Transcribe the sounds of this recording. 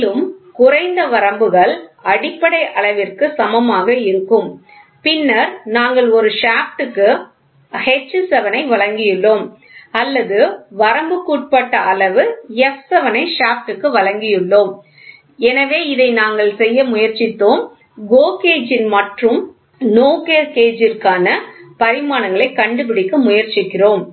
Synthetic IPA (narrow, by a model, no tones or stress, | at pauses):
lɯmkʊrɐɪnd̪ɐʋɐɾɐmbɯɣɐɭɐɽɪpːɐɽɐɪʔɐɭɐʋɪrkɯsɐmɐmaːɣɐɪɾɯkːɯm | pɪnːɐɾnaːŋɡɐɭɔɾɯʂaːpʈɯkːɯ | hɛt͡ʃːsɛʋɐnɐɪʋɐɭɐŋɡɪjɯɭːoːm | ɐlːɐðɯʋɐɾɐmbɯkːuːʈ̚pɐʈːɐʔɐɭɐʋɯɛfsɐʋɐnɐɪʂaːpʈɯkːɯʋɐɭɐŋɡɪjɯɭːoːm | ɛnɐʋeːɪðɐɪnaːŋɡɐɭsɛjːɐmʊjɐɾt͡ʃɪt̪ːoːm | ɡoːkeːd͡ʒɪnmɐʈrɯm | noːkeɾkeːd͡ʒɪrkaːnɐpɐɾɪmaːnɐŋɡɐɭɐɪkːɐɳɖɯp̬ɪɽɪkːɯmʊjɐɾt͡ʃɪkːɪroːm